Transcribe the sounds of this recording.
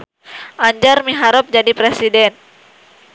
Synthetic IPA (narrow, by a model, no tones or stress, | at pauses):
ʔaɲd͡ʒarmiɦaɾɔp̚d͡ʒadipɾesidɛn